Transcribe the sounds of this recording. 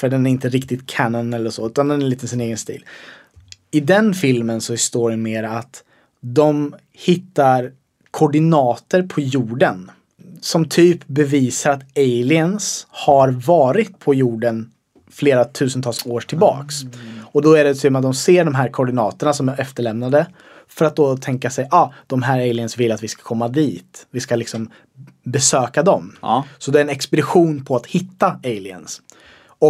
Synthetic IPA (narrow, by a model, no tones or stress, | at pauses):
fœɖɛnæɾɪnt̪əɾɪkt̪ɪt̪kʰanɔnɛlːəʂɔʉ̟ːt̪and̪ɛnæɾliːt̪əsɪneːɡənst̪ḭːl | ɪd̪ɛnfɪlmənsɔst̪oːɖɛmeːɾaat̪ | d̪ɔm | hɪt̪ːaɾ | kʰɔɖɪnɑːt̪əɾpʰɔjuːɖən | sɔmt̪ʰyːpbɛviːsaɾat̪eɪlɪənshaɾvɑːɾɪt̪pʰɔjuːɖən | fleːɾat̪ʰʉ̟ːsənt̪ʰɑːlsoːʈʰɪlbɑ̰ːksɔd̪ɔæɖɛt̪ʰyːmat̪̚d̪ɔmseːɖɔmɦæːɾkʰɔɖɪnɑːt̪əɳasɔmaɛft̪əɭɛmnad̪ə | fœɾat̪̚d̪ɔːt̪ʰɛŋkasɛjʔɑːd̪̥ɔmɦæːɾeɪlɪənsvɪlːat̪vɪskḁkʰɔmːad̪iːt̪vɪskalɪksɔm | bɛsøːkad̪ɔmsɔd̪ɛːɾɛnɛkspɛd̪ɪɧuːnpʰɔat̪hɪt̪ːaeɪlɪə̰ns | ɔ